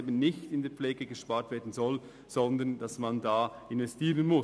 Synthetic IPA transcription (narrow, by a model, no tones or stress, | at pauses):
ebənnɪçtɪndeːɐfleːɡəɡəʃpaːɾtv̥eːɐdn̩zɔl | z̥ɔndənd̥asmandaːʔɪnvɛstiːʁənmʊ